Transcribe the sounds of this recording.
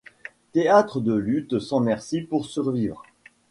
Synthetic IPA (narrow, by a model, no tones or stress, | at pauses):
t̪eat̪χəd̪əlyt̪sɑ̃mɛʁsipuʁsyʁvivʁ